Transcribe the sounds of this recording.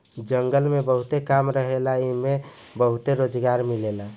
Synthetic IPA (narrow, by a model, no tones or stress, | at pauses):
d͡ʒəŋɡəlmebəɦut̪ekamɾəɦelaime | bəɦut̪eɾod͡ʒɡaɾmilela